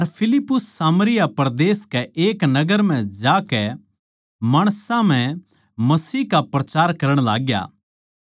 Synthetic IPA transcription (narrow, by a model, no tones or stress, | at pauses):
ɐɾpʰɪlɪpːʊsːaːmɾɪjapɾɐd̪eːskɛʔeːknɐɡəɾm̤ɛ̃d͡ʒaːkɛ | maːɽ̃sãm̤ɛ̃ | mɐsiːkapɾɐt͡ʃaːɾkɐɾəɽ̃la̰ːɡja̰ː